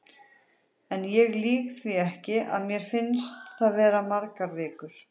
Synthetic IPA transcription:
ɛnjɛɣliːkθviɛhcɪʔa̰ðmjɛɾ̥fɪnst̪θaðvɛːɾamaɾkaɾvɪːkʏɾ̥

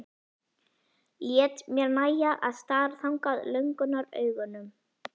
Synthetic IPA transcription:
ljɛːt̪mjɛɾnaːjaʔa̰ðst̪aːɾ̥θawŋkaðlœɥŋkʏnaɾœ̰ːɥɣʏnʏm

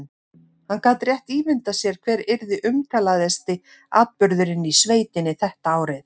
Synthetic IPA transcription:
hankaːt̪rjɛht̪iːvɪnt̪asjɛɾ̥kʰvɛːɾɪɾðɪʔʏmkʰaːlaðɛst̪ɪ | aːt̪̚pʏɾðʏɾɪnːisveːjt̪ɪnːɪθɛht̪aaːwɾɪθ

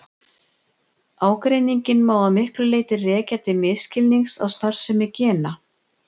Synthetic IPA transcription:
aːwkɾeːjniɲcɪnmaːwðamɪhklʏleːjt̪ɪrɛːcat̪ɪmɪðscɪlniŋsawst̪ar̥sɛmɪɾcɛːna

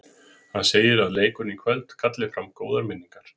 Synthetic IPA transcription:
hanseːjɪɾaðleːjkʏnikʰvɛlt̪kʰat̪lɪfɾamkoːwðaɾmɪnːiŋkaɾ̥

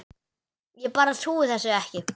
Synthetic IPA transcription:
jɛpaːɾaθuːɪθɛsːʏɛhcɪ

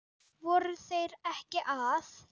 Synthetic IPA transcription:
vɔːɾʏθejɾɛhcɪʔaθ

